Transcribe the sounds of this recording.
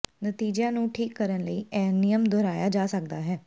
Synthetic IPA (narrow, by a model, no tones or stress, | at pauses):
nət̪iːd͡ʒjãːnũːʈʰiːkːəɾənləiːɛːnɪjəmd̪oɾaːjaːd͡ʒaːsək̚d̪aːɦɛː